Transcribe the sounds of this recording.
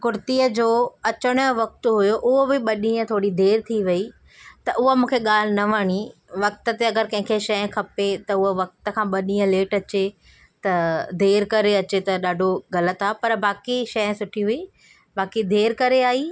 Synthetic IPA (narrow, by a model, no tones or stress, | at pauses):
kʊɾt̪iəd͡ʑoːɐt͡ɕəɽ̃ʋɐk̚t̪ɦʊjoʔʊɦobɪɓɐɗĩːə̃t̪ʰoːɽid̪ʱeːɾt̪ʰiʋɐi | t̪ɐʔʊɦomũːkʰeɠaːl̤ɪnɐʋɐɽ̃iʋɐk̚t̪ət̪eɐɡəɾkɐ̃ɦɪ̃ŋkʰeʃɐj̃kʰɐpet̪ɐʊɦoʋɐk̚t̪ə̆kʰãːɓɐɗĩːə̃leːʈɐt͡ɕe | t̪ɐd̪ʱeːɾkɐɾeɐt͡ɕet̪ɐɗaːɖʱoɡɐlət̪aːpɐɾbaːkiʃɐj̃sʊʈʰiɦʊiː | baːkid̪ʱeːɾkɐɾeaːɦi